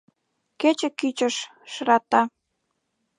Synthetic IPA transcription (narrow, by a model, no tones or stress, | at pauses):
ket͡ɕĕkyt͡ɕəʃ | ʃɾɑt̪ɑ